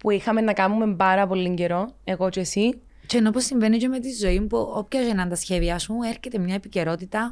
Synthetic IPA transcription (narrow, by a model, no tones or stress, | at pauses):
puixɐme̞nːɐkɐmume̞mbɐɾɐpo̞lːiɲɟe̞ɾo̞e̞ɣo̞t͡ʃesi | ceno̞posːiɱve̞nicemet̪izːo̞impuopçɐzenɐnt̪ɐsçe̞ðiɐsmue̞ɾçe̞t̪emɲɐepice̞ɾo̞t̪it̪ɐ